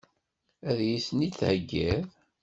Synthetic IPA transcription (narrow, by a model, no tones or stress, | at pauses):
æðjisniθhəɡːæð